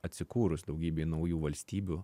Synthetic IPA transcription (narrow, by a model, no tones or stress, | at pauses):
ɐt̪ʲsʲɪkuːɾʊsd̪ɐʊɡʲiːbʲeːnɐʊjuːʋɐlʲsʲt̪ʲiːbʲu